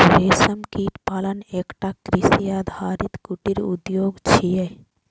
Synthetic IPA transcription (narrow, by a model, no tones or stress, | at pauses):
ɾeːsəmkiːt̪paːləneːkʈakɾisijad̪ʱaːɾit̪kuʈiɾṵd̪joːɡt͡ʃʰije